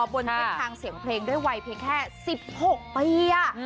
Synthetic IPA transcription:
ɔ˧bo˧nʰa˥˩tʰaː˧ŋsi˨˩˦əŋpʰleː˧ŋdu˥˩jwa˧jpʰi˧ŋkʰɛː˥˩si˨˩p̚ho˨˩k̚piː˧a˩

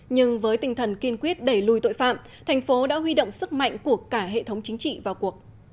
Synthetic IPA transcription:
ɲɨ˧ŋvəː˨˦jt̪ï˨˩ŋ̟t̪ʰə˨˩nki˧ənkwi˦˥ət̚ɗe˧˩lu˨˧˩jt̪o̰˧˨jfa̰ː˧˨m | t̪ʰɛ˨˩jŋ̟fo˨˦ɗa̰ː˧˥ɦwi˧ɗo̰˧˨wŋ͡msɨ˦˥k̚ma̰˧˨jŋ̟ku˧˩əkaː˧˩ɦḛ˧˨t̪ʰə˨˦wŋ͡mt͡ɕi˨˦ŋ̟t͡ɕḭ˧˨vaː˨˩wku˨˩ək̚

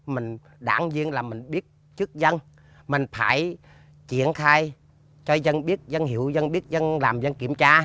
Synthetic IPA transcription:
mï˨˩ŋ̟ | ɗa̰ː˧˩˦ŋzi˧ənlaː˨˩mï˨˩ŋ̟ɓi˦˥ət̚ | t͡ɕɨ˦˥k̚zə˧n | mï˨˩ŋ̟faː˧˩j | t͡ɕi˧˩ənxaː˧j | t͡ɕɔ˧zə˧nɓi˦˥ət̚zə˧nɦi˧˩əwzə˧nɓi˦˥ət̚zə˧nlaː˨˩mzə˧nki˧˩əmt͡ɕaː˧

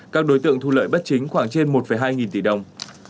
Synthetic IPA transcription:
kaː˦˥k̚ɗo˨˦jt̪ɨ̰˧˨əŋt̪ʰu˧lə̰ː˧˨jɓə˦˥t̚t͡ɕï˨˦ŋ̟xwaː˧˩ŋt͡ɕe˧nmo˨˩t̚fə˧˩jɦaː˧jŋi˨˩nt̪i˧˩ɗə˨˩wŋ͡m

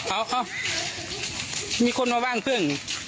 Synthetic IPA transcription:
ʔa˧˦wʔa˧˩w | miː˧˨kʰo˧˥˨nmaː˧˩waː˧˩˨ŋpʰɯ˧˩ə˨ŋ

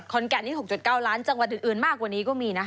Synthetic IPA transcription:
t̪̚kʰɔ˧nkɛ˧˩niː˥˩ɦo˨˩k̚t͡ɕu˨˩t̪̚kaː˥˩wlaː˦˥nt͡ɕa˧ŋwa˨˩ʔɨː˨˩ʔɯː˨˩nmaː˥˩k̚waː˨˩niː˦˥kɔː˥˩miː˧na˦˥

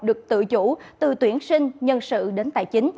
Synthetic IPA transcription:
ɗɨ˨˩ək̚t̪ɨ̰˧˨t͡ɕu˧˥t̪ɨ˨˩t̪wi˧˩ənsï˧ŋ̟ɲə˧nsɨ̰˧˨ɗe˨˦nt̪a̰ː˧˨jt͡ɕï˨˦ŋ̟

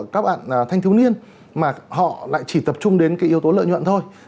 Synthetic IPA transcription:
kaː˦˥k̚ɓa̰ː˧˨n˩t̪ʰa˧jŋt̪ʰi˨˦wni˧ən | maː˨˩hɔ̰˧˨la̰ː˧˨jt͡ɕi˧˩t̪ə˨˩p̚t͡ɕʊ˧ŋ͡mɗe˨˦nkaː˨˦jʔi˨˦əwt̪o˨˦lə̰ː˧˨jɲwə̰˧˨nt̪ʰo˧j

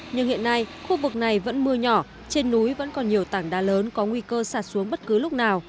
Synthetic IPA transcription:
ɲɨ˧ŋhḭ˧˨ənːa˧jxu˧vɨ˨˩k̚na˨˩jvə̰˧˥nmɨ˧əɲɔ˧˩ | t͡ɕe˧nːu˨˦jvə̰˧˥nkɔ˨˩nɲi˨˩əwt̪a˧˩ŋɗaː˧ləː˨˦nkɔ˨˦ŋwi˧kəː˧saː˧˩t̚su˨˦əŋɓə˦˥t̚kɨ˨˦lʊ˦˥k͡p̚naː˨˩w

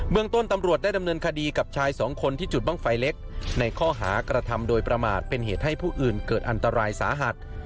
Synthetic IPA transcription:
bɯ˥˩əŋt̪o˥˩nt̪a˧mɾu˨˩ət̪̚daː˥˩jda˧mnɤː˧nkʰa˧diː˧ka˨˩p̚t͡ɕʰaː˧jsɔː˩˦ŋkʰo˧nt̪ʰiː˥˩t͡ɕu˨˩t̪̚baː˥˩ŋfa˧jle˦˥k̚na˧jkʰɔː˥˩ɦa̰ː˩˦kɾa˧t̪ʰa˧mdoː˧jpɾa˧ma̰ː˨˩t̪̚pe˧nɦḛː˨˩t̪̚ha˥˩jpʰuː˥˩ʔɯː˨˩nkɤː˨˩t̪̚ʔa˧nt̪a˧ɾaː˧jsa̰ː˩˦ɦa˨˩t̪̚

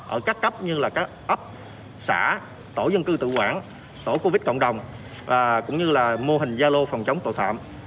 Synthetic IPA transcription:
ʔəː˧˩kaː˦˥kːə˦˥p̚ɲɨ˧laː˨˩kaː˦˥k̚ʔə˦˥p̚ | sa̰ː˧˩ | t̪o˧˩zə˧ŋkɨ˧t̪ɨ̰˧˨kwaː˧˩n | t̪o˧˩ko˧vi˦˥t̚kə̰˧˨wŋ͡mɗə˨˩wŋ͡mː | kʊ̰˧˥wŋ͡mɲɨ˧laː˨˩mo˧ɦï˨˩ŋ̟zaː˧lo˧fɔ˨˩wŋ͡mt͡ɕə˨˦wŋ͡mt̪o̰˧˨t̪ʰa̰ː˧˨mʔ

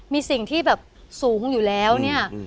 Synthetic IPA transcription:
miː˧si˨˩ŋt̪ʰiː˥˩bɛː˨˩p̚suː˩˦ŋjuː˨˩lɛː˦˥wni˥˩ɐ

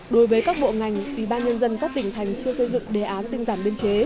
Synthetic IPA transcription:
ɗo˨˦jvəː˨˦jkaː˦˥k̚ɓo̰˧˨ŋa˨˩jŋ̟ʔi˧˩ɓaː˧nɲə˧nzə˧nkaː˦˥k̚t̪ï˧˩ŋ̟t̪ʰa˨˩jŋ̟t͡ɕɨ˧əsɨ˧zɨ̰˧˨ŋɗe˨˩ʔaː˨˦nt̪ï˧ŋzaː˧˩nɓi˧ənt͡ɕe˨˦

